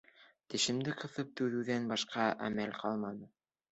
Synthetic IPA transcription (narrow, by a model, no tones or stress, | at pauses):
t̪ɘ̆ʃɘ̆md̪ɘqɤ̆θɤp̚t̪ʉðɘ̆wðænbɑʃqɑʔæ̰mælqʰɑlˠmɑnɤ